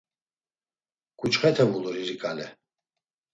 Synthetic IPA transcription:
ɡ̥ʼut͡ʃχɛt̪ʰɛmuluɾiɾikʼalɛ

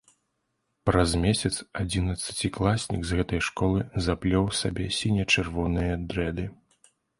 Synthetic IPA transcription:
pɾɐzmʲɛsʲɐt̪sad͡zʲinɐt̪sɐ̥t͡sʲiklˠasʲnʲḭɡzɣɛt̪ɐjʂkɔlˠɨzaplʲɔwsabʲɛsʲinʲɛt͡ʂɨrvɔnɨjɐd̪ɾɛd̪ɨ

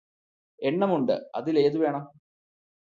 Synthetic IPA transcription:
e̞ɳːɐmuɳɖɨ̰ɐ̰ðile̞ːðuʋe̞ːɳɐm

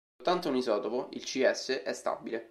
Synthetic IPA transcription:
ot̪ːant̪ounizɔːt̪opoilt͡ʃiɛsːeʔɛst̪a̰bile

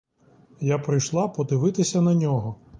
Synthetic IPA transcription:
japɾɪjʃlˠɑpɔd̪ɪʋɪt̪ɪsʲɐnɐnʲɔɦɔ

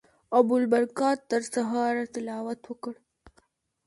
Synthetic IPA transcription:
ɐbʊlbɐɾkɑːt̪ːəɾsaɦaːɾat̪ɪlaːwɐt̪wəkəɽ

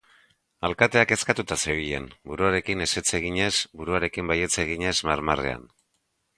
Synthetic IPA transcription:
alkat̪e̞ake̞skat̪ut̪aseiʎe̞̰nbuɾuaɾe̞kine̞se̞t͡se̞ɣ̞iɲe̞sbuɾuaɾe̞kimbaje̞t͡seɣ̞iɲe̞zmaɾmare̞̰a̰n

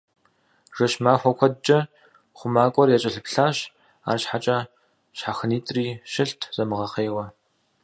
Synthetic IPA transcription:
ʐ̥ɐʃmaːxʷɔkʷʰɔdt͡ʃʼɐ | χʷʊmaːkʷʼɔrjɛt͡ʃʼɐɬɨpɬaːɕ | a̰ːrɕħat͡ʃʼɐ | ɕħaxɨniːtʼriːʃɪɬtʰz̥ɐmɨʁɐχeːwɐ

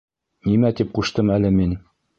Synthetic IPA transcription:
nimæt̪ip̚quʃt̪ɤmælɘmin

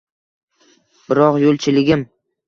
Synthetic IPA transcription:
b̥ɪɾɒqjolˠt͡ʃʰɪlɪɡʲɪm

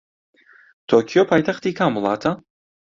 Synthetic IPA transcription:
t̪ʰoːkʰijopʰaːjt̪ʰaχt̪ikʰamulˠa̰ːt̪ʰa

